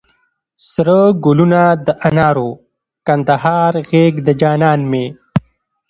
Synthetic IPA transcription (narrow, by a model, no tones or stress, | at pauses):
sɾəɡʊlunad̪əʔanɑːɾo | kɐnd̪ahɑːɾɣeːɡd̪əd͡ʒɑːnɑːnme